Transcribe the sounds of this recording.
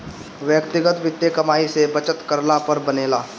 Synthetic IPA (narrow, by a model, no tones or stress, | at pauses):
ʋjəkt̪ɪɡət̪ʋɪt̪jəkɐmaːisebɐt͡ʃət̪kɐɾnapɐɾbɐneːlaː